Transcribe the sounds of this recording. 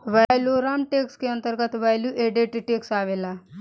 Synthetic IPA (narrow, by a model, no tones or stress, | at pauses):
ʋajloɾamʈekskiənt̪əɾɡət̪ʋajljuʔeɖeʈiʈeksaʋela